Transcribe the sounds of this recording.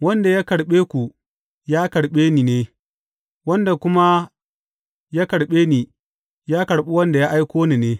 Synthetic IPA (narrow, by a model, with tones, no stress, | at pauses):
wɐ˦nda˨ja˦kɐ˨ɽɓeː˦kʷu˨ | jaː˦kɐ˨ɽɓeː˦niː˨neː˦ | wɐ˦nda˨kʷʊ˦ma˦ | jaː˦kɐ˨ɽɓeː˦niː˨ | jaː˦kɐ˨ɽɓi˦wɐ˦nda˨ja˦ʔa˦jkʷoː˦ni˨neː˦